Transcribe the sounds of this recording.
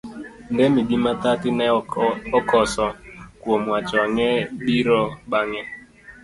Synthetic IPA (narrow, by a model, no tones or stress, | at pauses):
ndɛmidimatatɪnɛɔkɔsɔkwomwat͡ʃɔŋɛbiɾɔɓaŋɛ